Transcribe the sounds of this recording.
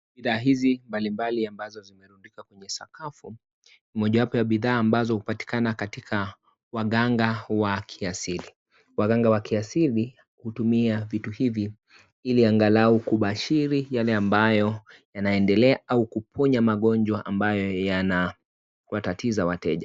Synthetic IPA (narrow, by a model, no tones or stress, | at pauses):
ɓiðaːɦizimbalimbaliambazɔzimɛɾundikakwɛɲɛsa̰kafu | nimɔʄawapɔjaɓiðaːmbazɔhupati̥kanakatikʰa | waɠaŋɡawakʰiasili | waɡaŋɡawakiasili | kuhtumiavituhivi | iliaŋɡalaukuɓaʃiɾijalɛambajɔjanaɛndɛlɛaʔaukupʰɔɲamaɠɔɲd͡ʒwaʔambajɔjana | watatizawatɛʄa